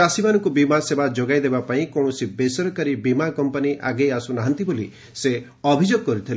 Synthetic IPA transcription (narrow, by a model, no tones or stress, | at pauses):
asimanɔŋkubimasebad͡ʒoɡajd̪ebapaĩkɔ̃ɔsibesɔɾɔkaɾibimakɔmpɔniʔa̰ɡejasunaɦant̪iboli | se | ɔbʱid͡ʒoɡ̚kɔɾit̪ʰil